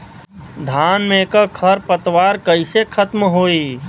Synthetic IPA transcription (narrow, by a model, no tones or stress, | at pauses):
d̪ʱanmekəkʰəɾpət̪waɾkəɪsekʰət̪mɦoi